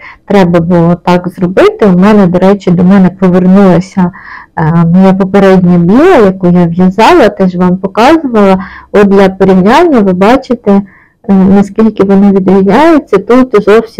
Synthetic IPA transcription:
t̪ɾɛbɐbʊlˠɔt̪ɑkzɾɔbɪt̪ɪʊmɛnɛd̪ɔɾɛt͡ʃɪd̪ɔmɛnɛpɔʋernulˠɐsʲɐ | mɔjapɔpeɾɛdʲnʲɐbʲilˠɐjɐkujaʋjɐzɑlˠɐt̪ɛʒʋɑmpɔkɑzʊʋɐlˠɐɔd̪lʲjʲɐpɔɾʲiʋnʲanʲːɐʋɪbɑt͡ʃɪt̪ɛ | nɐskʲilʲkɪʋɔnɪʋʲid̪ɾʲiznʲajet͡sʲːɐt̪ut̪zɔwsʲ

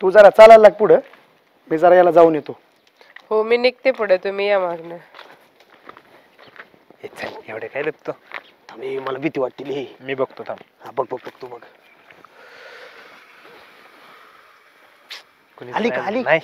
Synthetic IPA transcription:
t̪ud͡zaɾat͡salalːaɡ̚puɽ̤ə | miːd͡zaɾajalad͡zauːnjet̪o | hominik̚t̪epəɽət̪umijamaɡnə | et͡sʰaeʋɽekajd̪ekt̪ot̪amiməlaʋit̪iʋaʈ̪̚ːiːliimiːbəɡt̪ot̪amhãbəɡ̚bəɡ̚bəɡ̚t̪obəɡa | konialilinaj

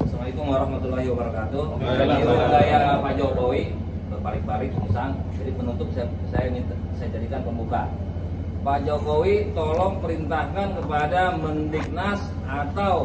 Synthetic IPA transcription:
samait̪uŋaɾahmat̪ulaɦiwabaɾkat̪uaaiasajapad͡ʒɔkowi | kəpalɪŋbaɾɪk̚misaŋʃudipənunt̪ʊp̚s | sajaini | sajad͡ʒadikanpəmbuka̰ | pad͡ʒokowit̪ɔlɔŋ̚pəɾint̪ahkankəpadamənːik̚nas | at̪aw

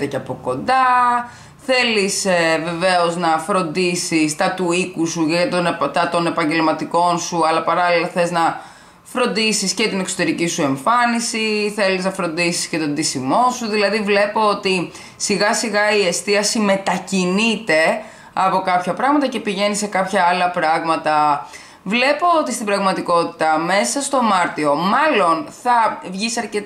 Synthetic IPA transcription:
t̪eceɐpo̞ko̞nd̪ɐ | θe̞lisve̞ve̞o̞znɐfɾo̞nd̪isist̪ɐt̪uikusuʝɐt̪ot̪ɐt̪o̞ne̞pɐɲɟe̞lmɐt̪iko̞nsuɐlɐpɐɾɐlilɐθe̞znɐ | fɾo̞nd̪isiscet̪inekso̞t̪e̞ɾicisue̞ɱfɐnisiθe̞liznɐfɾo̞nd̪isi̥sce̞t̪o̞nd̪isimo̞suðilɐðivle̞po̞ot̪i | siɣɐsiɣɐie̞st̪iɐsime̞t̪ɐcinit̪e̞ | ɐpo̞kɐpçɐpɾɐɣmɐt̪ɐce̞piʝe̞nise̞kɐpçɐɐlɐpɾɐɣmɐt̪ɐ | vle̞po̞ot̪ist̪ibɾɐɣmɐt̪iko̞t̪i̥t̪ɐme̞sɐst̪o̞mɐɾt̪io̞mɐlo̞nθɐvʝisɐɾcet̪

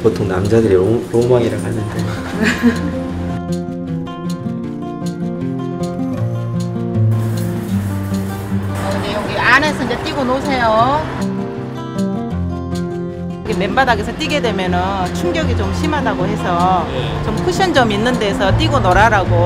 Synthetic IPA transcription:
potʰoŋnamd͡ʑadɯɾioɾomaŋiɾaɡanɯnte | ʌinejʌɡiane̞sʰʌind͡ʑe̞t͈iɡonosʰe̞jo | ɡeme̞mbadaɡesʰʌt͈iɡe̞dwe̞mjʌnɯnt͡ɕʰumɡjʌɡit͡ɕomɕʰimɦadaɡohe̞sʰʌjt͡ɕomkʰuɕʰʌnd͡ʑʌminːɯnde̞ːsʰʌt͈iɡonʌɾaɾaɡo

